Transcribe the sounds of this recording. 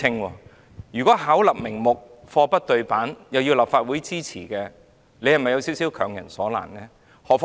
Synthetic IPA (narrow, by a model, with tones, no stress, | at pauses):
ɪ˧ŋwɔː˧ | jyː˨˩kɔː˨˥ɦaː˨˥wlɐ˨p̚mɪ˨˩ŋmʊ˨k̚ | fɔː˧pɐ˥t̚t̪ɵ˧ɥpaː˨˥njɐ˨wji˧wlaː˨p̚faː˧t̚wuː˨˥jt͡siː˥t͡sʰiː˨˩kɛː˧ | le˨˧jhɐ˨˩mɐ˨jɐ˨˧wsiː˨˥wsi˨˥wkʰœː˨˩ŋjɐ̰˨˩nsɔː˨˥la̰ː˨˩nnɛː˥ | hɔː˨f